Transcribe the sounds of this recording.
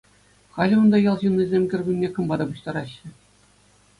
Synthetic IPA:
χɑlʲɘŏnd̪ɑjɑlˠʑunːizʲemʲkʲɘ̆rʲbʲunʲnʲekɤ̆mbɑd̪ɑpuɕt̪ɑɾɑɕːɘ̆

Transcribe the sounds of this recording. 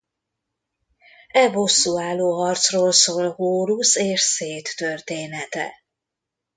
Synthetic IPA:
ɛvosːuaːlːoːɦɒrt̪sroːlsoːlhoːɾuseːʃseːt̪ːørt̪eːnɛt̪ɛ̰

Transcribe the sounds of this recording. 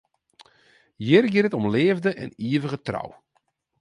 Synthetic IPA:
jɪrɡɪɾətɔmleːvdəʔɛ̰niəvəɣətra̰w

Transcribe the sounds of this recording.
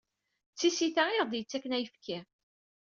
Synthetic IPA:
t͡sːisiθæɪʁd̪jət͡sːækːənæjəfkʰæ

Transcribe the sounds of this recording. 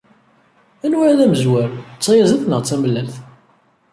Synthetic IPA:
ænwæɾæðæməzwæɾt͡sːɑjæzəθnəʁt͡sːæməlːælθ

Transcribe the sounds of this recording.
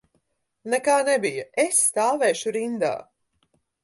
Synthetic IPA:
nɛkaːnɛbijɐesːt̪aːvɛːʃuɾind̪a̰ː

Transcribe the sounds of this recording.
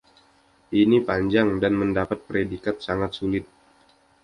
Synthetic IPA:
ʔinipaɲd͡ʒaŋdanməndapat̪̚pəɾedikat̪̚saŋat̪̚sulɪt̪̚

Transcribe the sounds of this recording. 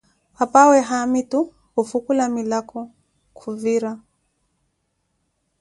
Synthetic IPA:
hapawɛɦamitu | hufukulamilakʰɔ | kʰuviɾa

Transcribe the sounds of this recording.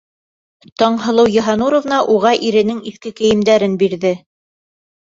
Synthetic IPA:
t̪ɑɴɦɤ̆lˠɤwjɤ̆ɦɑnuɾŏvnɑʔuʁɑʔiɾɘ̆nɘŋiθkɘkɘ̆jɘ̆md̪æɾɘnbiɾðɘ

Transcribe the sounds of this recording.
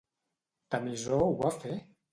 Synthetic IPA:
t̪amizɔwafɛ

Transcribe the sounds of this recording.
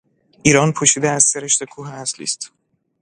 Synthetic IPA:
ʔiːɾɒːnpʰoʃiːd̪eæz̥seɾeʃt̪e̞kʰuːɦeæslḭːst̪

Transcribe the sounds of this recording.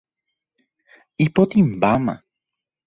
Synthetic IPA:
ipot̪imbamã̰

